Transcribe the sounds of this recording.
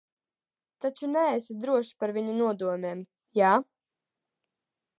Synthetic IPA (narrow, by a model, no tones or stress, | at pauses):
t̪at͡ʃunɛɛsad̪ɾuɔʃpaɾviɲunuɔd̪uɔmʲeːm | jaː